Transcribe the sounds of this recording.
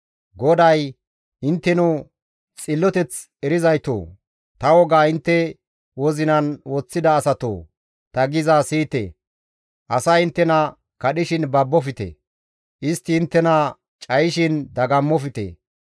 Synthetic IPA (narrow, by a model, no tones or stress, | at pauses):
ɡɔd̪ɐj | ɪnt̪ːɛnu | t͡sʼɪlːɔt̪ɛt͡s | ɛɾɪzɐjt̪o̰ː | t̪ɐwɔɡaːɪnt̪ːɛ | wɔzɪnɐnwɔt͡sːɪd̪ɐːsɐt̪o̰ː | t̪ɐɡɪzaːsiːt̪ḛ | ʔɐsɐjɪnt̪ːɛnɐ | kɐɗɪʃɪnbɐbːɔfɪt̪ḛ | ʔɪst̪ːɪːnt̪ːɛnɐ | t͡ʃʼɐjɪʃɪnd̪ɐɡɐmːɔfɪt̪ḛ